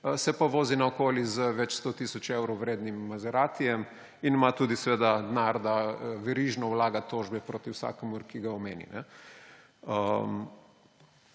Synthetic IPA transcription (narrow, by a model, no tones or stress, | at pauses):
sɛpaʋoːzinaokoːlizəʋɛt͡ʃst̪ot̪isɔt͡ʃewɾowɾeːd̪nimːazɛɾaːt̪ijɛm | inmat̪uːd̪isɛʋeːd̪ad̪naɾd̪aʋɛɾiʒnɔwlaːɡat̪ːoːʒbɛpɾoːt̪iwsa̰ːkɛmuɾkiɡaɔmeːnḭnɛ | ə